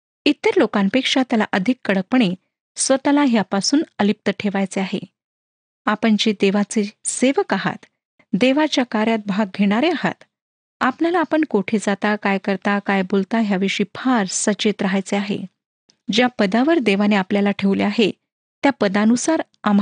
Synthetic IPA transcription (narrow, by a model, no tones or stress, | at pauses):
it̪ːəɾlokãnpekʂat̪jalaʔəd̪ʱikːəɽək̚pəɳ̃e | sʋət̪alaɦjapasuːnəlip̚t̪əʈʰeʋajt͡seaɦḛ | apəɳd͡ʑed̪eʋat͡seseʋəkaɦa̰t̪ | d̪eʋat͡ɕjakaɾjat̪̚bʱaɡ̚ɡʱeɽ̃aɾeaɦa̰t̪ | apnalaːpəɳkoʈʰed͡zat̪akajkəɾt̪akajbolt̪aɦjaʋeʂiːpʰaɾsət͡ɕet̪ɾəɦajt͡seaɦḛ | d͡ʑjapəd̪aʋəɾd̪eʋaneapljalaʈʰeʋleaɦe | t̪japəd̪anusaɾ | am